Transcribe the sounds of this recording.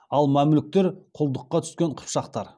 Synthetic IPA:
ɑlˠmæmlɪk̚t̪e̞ɾqʰʊlˠd̪əqːɑt̪ʰʏ̥skʲeɴqʰʊ̥pʃɑq̚t̪ɑɾ

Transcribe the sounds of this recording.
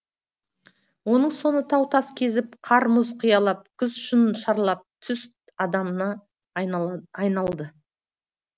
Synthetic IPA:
wo̞nəɴso̞nət̪ʰɑwt̪ʰɑskʲʰe̞zɪp̚qʰɑɾmʊzqʰʊjɑlˠɑp̚kʲʰʏzʃʊnʃɑɾlˠɑp̚t̪ʰʏst̪ | ɑd̪ɑmənɑ | ɑjnɑlˠd̪ə

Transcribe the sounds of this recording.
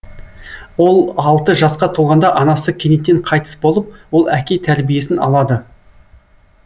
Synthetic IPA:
wo̞lˠɑlˠt̪əʒɑsqɑt̪ʰolˠʁɑnd̪ɑʔɑnɑsəkʲʰenet̪ːeɴqʰɑjt̪ə̥sbo̞lˠəp̚wo̞lˠækʲe̞t̪ʰæɾbije̞sɪnɑ̰lˠɑd̪ə

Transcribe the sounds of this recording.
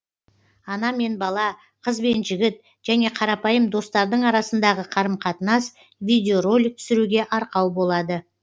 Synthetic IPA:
ɑnɑme̞nbɑlˠɑ | qʰəzbe̞nʒɪɡʲɪt̪ | ʒ̥æne̞qʰɑɾɑpɑjəmd̪o̞st̪ɑɾd̪əɴɑɾɑsənd̪ɑʁəqʰɑɾəmqʰɑt̪ənɑs | vijd̪ʲeo̞ro̞lʲːɪk̚t̪ʰʏ̥sɪɾuɡʲe̞ʔɑɾqɑwbo̞lˠɑd̪ə

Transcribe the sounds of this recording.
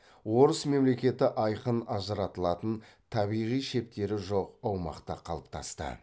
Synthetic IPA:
wo̞ɾəsme̞mle̞kʲe̞t̪ɪʔɑjqənɑzəɾɑt̪əlˠɑt̪ənt̪ʰɑbijʁijʃe̞p̚t̪e̞ɾɪʒo̞qɑwmɑ̰qt̪ɑ̰qʰɑlˠəp̚t̪ʰɑ̰st̪ə̰

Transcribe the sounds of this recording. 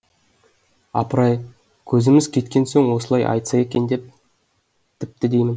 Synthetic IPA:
ɑ̰pəɾɑj | kʲʰɵzɪmɪzkʲʰe̞t̪̚kʲe̞nsoŋwo̞səlˠɑjʔɑ̰jt̪sɑje̞kʲe̞nd̪e̞p̚ | t̪ʰɪp̚t̪ɪd̪e̞jmɪn

